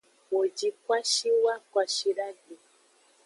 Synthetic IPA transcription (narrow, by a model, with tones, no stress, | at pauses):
wo˨d͡ʒi˦kʷwa˦ʃi˦wa˦kwʷa˨ʃi˦ɾa˦ɡi˨